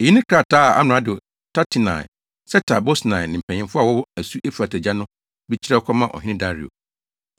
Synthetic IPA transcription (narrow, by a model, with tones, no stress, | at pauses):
e˨i˦nɪ̃˦kʰa˦˨tʰaː˦˨a̰˦m̃˨ã˦dɪ˨ | tʰa˦tʰi˨nã̰˨ | sɛ˦tʰa˨bo˦snã˨nɪ̃˨m̩˨pʰɛ˨ɲɪ̃˦mfʊ˦a˨wɔ˦wɔ˦æ˨su˦ʔe˦fu˨a˨tʰɛ˨d͡ʑa˦nʊ̃˦ | bi˦t͡ɕʰi˦ɾɛ˦ɔ˦kʰɔ˦mã˦˨ʔɔ̰˨ɦɪ̃˦nɪ̃˦da˦ɾḭ˨o̰˨